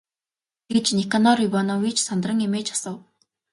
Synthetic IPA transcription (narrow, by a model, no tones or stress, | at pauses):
ɡ̥et͡ɕnekanɔɾipɔnɔːwit͡ɕʰsɔnd̪rə̆ŋimeːt͡ɕʰḁsə̆w